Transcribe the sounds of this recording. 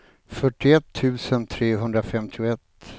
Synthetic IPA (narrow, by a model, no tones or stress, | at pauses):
fœʈːɪɛt̪ʰːʉ̟ːsənt̪ʰɾeːɦɵnd̪ɾafɛmt̪ʰɪʊɛt̪ː